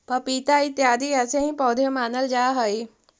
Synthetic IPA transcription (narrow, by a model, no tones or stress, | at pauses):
pɐpit̪ait̪jaːd̪iəsẽɦĩpɔːd̪ʱjəmaːnəld͡ʒaɦəi